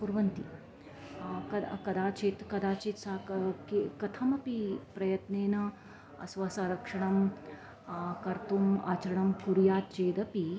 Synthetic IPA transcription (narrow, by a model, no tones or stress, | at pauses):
puɾʋɐnt̪i | kɐd̪kɐd̪aːt͡ʃeːt̪kɐd̪aːt͡ʃeːt̪saːkkekɐt̪ʰɐmɐpipɾɐjɐt̪neːnɐ | ɐ̰sʋɐsaːɾɐkʂɐɳɐm | kɐɾt̪uma̰ːt͡ʃɐɾɐɳɐmkuɾjaːt̪t͡ʃeːd̪ɐpi